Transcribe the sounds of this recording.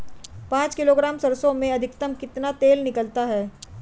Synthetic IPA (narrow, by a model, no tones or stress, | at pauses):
pãːt͡ʃkɪloːɡɾaːmsɐɾsõmẽɐd̪ʱɪkt̪əmkɪt̪nat̪eːlnɪkəlt̪aɦɛː